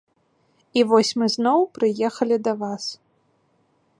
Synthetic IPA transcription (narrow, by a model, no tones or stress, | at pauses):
ivɔsʲmɨznɔwpɾɨjɛxɐlʲid̪ɐvas